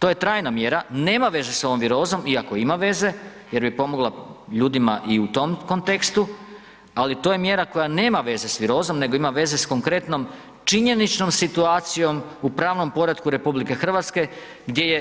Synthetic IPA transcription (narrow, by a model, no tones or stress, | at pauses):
t̪oje̞t̪ɾaːjnamje̞ɾane̞ːmaʋe̞ze̞so̞ʋomʋiɾo̞ːzo̞miako̞imaʋe̞ze̞ | je̞ɾbipo̞mo̞ɡlˠaʎuːd̪imaʔiut̪o̞mko̞nt̪ekst̪u | alit̪o̞ːjemje̞ɾako̞jane̞ːmaʋe̞ze̞sʋiɾo̞ːzo̞mne̞ɡo̞imaʋe̞ze̞sko̞ŋkɾe̞t̪no̞m | t͡ʃiɲe̞nit͡ʃno̞msit̪uaːt̪sijo̞mupɾaːʋno̞mpo̞ɾad̪kuɾe̞publike̞xr̩ʋat̪ske̞ | ɡd̪je̞je